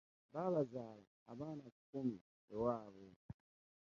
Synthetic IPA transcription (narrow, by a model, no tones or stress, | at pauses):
balazala̰aβaːnakumi | ɛwaːβɔ